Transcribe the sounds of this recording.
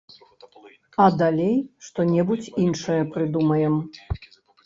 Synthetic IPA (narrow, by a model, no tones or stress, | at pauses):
ɐd̪alʲejʂt̪ɔnʲɛbut͡sʲinʂɨjɐpɾɨd̪umɐjɛm